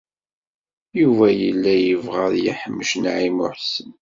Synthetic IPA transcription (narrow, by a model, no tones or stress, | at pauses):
juvæjəlːæjəvʁəðjiħəmːəʃnʕimʊ̰ħsən